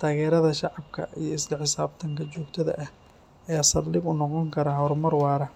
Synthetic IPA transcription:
t̪ʰaːɣɛːɾɐðɐʃɑʕɑb̚kʰɐ̰ijɐɪslɐħɪsaːb̚t̪ʰɐŋkʰɐt͡ʃɔːɡt̪ʰɐðɐ̰ʔɐh | ɐjaːsɐrlɪɡʊnɔqɔŋkʰɐɾɐɦɔɾmɐrwɑːɾɐ

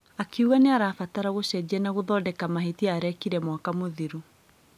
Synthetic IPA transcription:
akeuɣaneaɾaːfataɾaɣoɕɛd͡ʑɛnaɣoðɔːdɛkamaɦetiaːɾɛkiɾɛmwakamoðiɾu

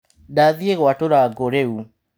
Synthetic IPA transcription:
daðieɣatoɾaɡoɾeu

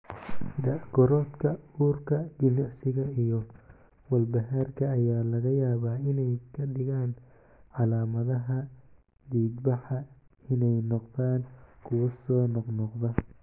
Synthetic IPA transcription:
d̪ɐɡɔɾɔːt̪kʰɐuːrkʰɐd͡ʒɪnaʕsɪɣɐijɔ | wɐlbɐɦaːrkʰɐːjaːlɐɣɐjaːβaːɪnɛjkʰɐɖɪɣaːn | ʕɑlaːmɐðɐɦɐ | d̪iːd̪bɐħɑ | ɪnɛjnɔqðaːnkʰʊwɐsɔːnɔqnɔqðɐ

